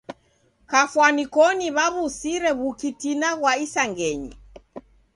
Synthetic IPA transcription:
kafwanikɔniβaβusiɾɛβukitinaɣwaisaŋɡɛɲḭ

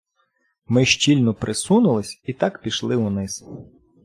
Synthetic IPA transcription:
mɪʃt͡ʃʲilʲnɔpɾʔɪsunʊlˠɪsʲit̪ɑkpʲiʃlˠɪʊnɪz

